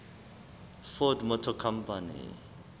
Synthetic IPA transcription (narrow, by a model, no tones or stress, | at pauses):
fɔdmɔtʰɔkʰampanḭ